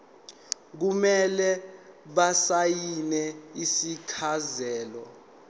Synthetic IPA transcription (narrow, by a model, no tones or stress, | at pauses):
k̬umɛlɛɓasajinɛisikʰazɛːlɔ